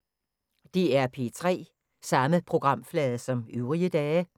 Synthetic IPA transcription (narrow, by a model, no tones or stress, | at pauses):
d̥iæɐpʰe̝ːt͡sʰʁɛ̰ː | sɑ̈məpʰʁo̝ɡ̥ʁɑ̈m̰flɛːðˠsɒ̽myʊʁiəd̥ɛː